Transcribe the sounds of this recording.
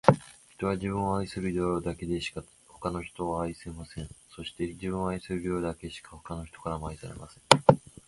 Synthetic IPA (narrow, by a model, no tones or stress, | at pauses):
çi̥t̪o̞βaʑibɯ̃ɰ̃o̞aisɨɾɯ̟dʲoɾd̪ake̞d̪e̞ɕi̥ka | ho̞̥kano̞çi̥t̪o̞aaisɨemasẽ̞ɰ̃so̞ɕi̥t̪e̞d͡ʑibɯ̃oaisɨɾɯ̟ɾjoːd̪ake̞ɕi̥kḁho̞̥kano̞çi̥t̪o̞kaɾamoaisaɾe̞̰masẽ̞̥